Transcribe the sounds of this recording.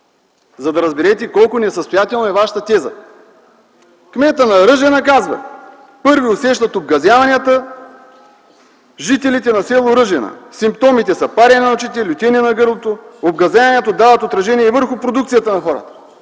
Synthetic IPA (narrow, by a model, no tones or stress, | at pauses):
zɐd̪ɐɾɐzbɛɾɛt̪ɛkɔlˠkʊnɛsəst̪ojat̪ɛlˠnoɛvaʃə̥t̪ət̪ɛzə̰ | kmɛt̪ənɐɾɤʒɛnɐkazvɐ̰ | pɤɾviosɛʃt̪ɐt̪ob̚ɡɐzʲavɐnijət̪ə | ʒit̪ɛlit̪ɛnɐsɛlˠʊɾɤʒɛnɐ̰simpt̪ɔmit̪ɛsɐpaɾɛnʲnɐot͡ʃit̪ɛlʲut̪ʲɛniɛnɐɡɤɾlˠot̪oobɡɐzʲavɐnɛt̪od̪avət̪ot̪ɾɐʒɛniɛvɤɾxʊpɾod̪ukt̪sijət̪ənɐxɔɾə̰t̪ə̥